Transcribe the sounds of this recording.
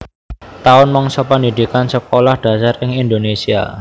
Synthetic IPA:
t̪aʊnmɔŋsəpəndid̪ikansəkolahd̥ä̤sarɪŋind̪onesia̰

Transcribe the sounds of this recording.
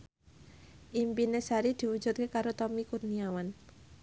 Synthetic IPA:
ʔimpinesaɾid̪̥i̤wu̥d͡ʒ̥ṳt̪̚kekaɾot̪ɔmikurniawan

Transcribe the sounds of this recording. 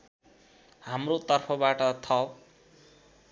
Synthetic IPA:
hamrot̪ʌrpʰʌbaʈʌt̪ʰʌ

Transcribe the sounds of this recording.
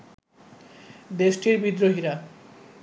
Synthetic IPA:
d̪eʃʈiɾbid̪ɾoɦiɾa

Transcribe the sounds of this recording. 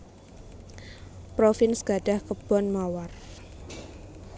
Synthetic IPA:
pɾofɪnsɡ̥a̤ɖ̥a̤hkəb̥ɔnmawar

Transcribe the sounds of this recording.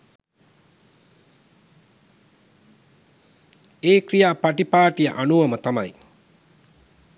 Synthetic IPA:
eːkrijaːpaʈipaːʈijə̰ʔanuʋɐmət̪amaj

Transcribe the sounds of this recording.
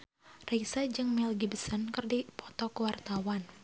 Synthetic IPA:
resad͡ʒɨŋmilɡibəsənkɨrdipɔ̥t̪ɔkəwart̪awan

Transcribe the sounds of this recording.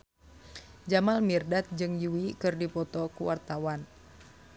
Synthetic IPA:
d͡ʒamalmirdat̪̚d͡ʒɨŋjuwikɨrdipɔt̪ɔkuwart̪awan

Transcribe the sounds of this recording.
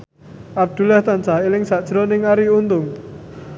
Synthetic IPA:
ʔab̚d̪̥ṳlaht̪ansaɦelɪŋsaʔd̥ʒ̥ɾɔnɪŋaɾiunt̪ʊŋ

